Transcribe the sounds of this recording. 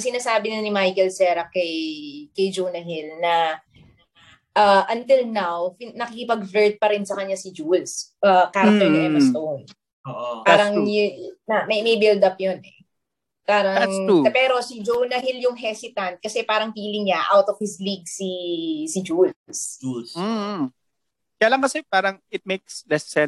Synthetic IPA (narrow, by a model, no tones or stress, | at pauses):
sɪnaːsaːbɪnanɪmajkɛlsɛɾɐkɐjkɐjd͡ʒownɐɦɪlnɐ | ʔɐʔɐnt̪ɪlnawpnɐkɪkɪpɐɡvɛɹt̪̚pɐɾɪnsɐkɐɲːasɪd͡ʒulsʔɐkaːɾɐt̪ɛɐmɐst̪own | oʔopaːɾɐŋnɐmɐjmɐjbɪld̪ɐp̚jonʔɛ̰ | paːɾɐŋpɛːɾo̞sid͡ʒownɐɦɪljʊŋɦɛsɪt̪ɐnt̪̚kɐsɛpaːɾɐŋfiːlɪŋɲaʔawt̪ɔfhɪsliɡ̚sisɪd͡ʒuls̩ | kɐjɐlaŋkɐsɛpaːɾɐŋɪt̪̚mejkslɛsɛ